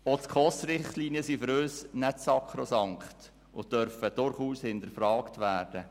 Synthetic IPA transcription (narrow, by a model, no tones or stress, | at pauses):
otkʰχɔsɾɪχtliːniəsiføɾøːsnɛtsɑkχɾosɑŋkχt | ʊdœɾfəd̥ʊɾχuːshɪnd̪əɾfɾɑːktʋæːɾd̥ə